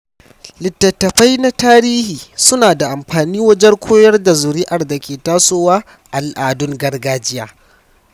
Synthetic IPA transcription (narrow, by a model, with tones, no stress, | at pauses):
lɪ˨tːɐ˨tːɐ˨ɸa˦jna˦taː˦ɾiː˦hiː˨sʊ˦naː˨da˨ʔa˨mɸaː˨niː˦wɐ˦d͡ʒɛ˦ŋkʷʰoː˦jɐ˦rda˨zʊ˨ɾi˦ʔɐ˨rda˨kʲʰeː˨taː˦soː˦waː˦ | ʔa˨lʔaː˨dʊ˦ŋɡɐ˦rɡaː˦d͡ʒɪ˦jaː˨˦